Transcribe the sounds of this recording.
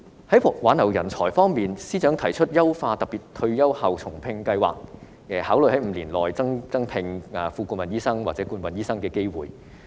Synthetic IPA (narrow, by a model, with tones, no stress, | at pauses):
hɐ˨˥jwʊ˨kwaː˨˥nlɐ˨˩wjɐ˨˩nt͡sʰɔː˨˩jfɔː˥ŋmiː˨nsiː˥t͡ʃœː˨˥ŋt̪ʰɐ˨˩jt͡ʃʰɵ˥t̚jɐ˥wfaː˧t̪ɐ˨k̚piː˨˩t̚t̪ʰɵ˧ɥjɐ˥whɐ˨wt͡sʰʊ˨˩ŋpʰɪ˧ŋkɐ˧jwa̰ː˨k̚ | ɛ˨˩haː˨˥wlɵ˨˩ɦɐ˨˥jm̩˨˩liː˨˩nlɔː˨˩jt͡sɐ˥ŋt͡sɐ˥ŋpʰɪ˨˧ŋɐ˨fuː˧kuː˧nwɐ˨njiː˥sɐ˥ŋwaː˨t̚t͡sɛː˨˥kuː˧nwɐ˨njiː˥sɐ˥ŋkɛː˧ke˥jwuː˨˩j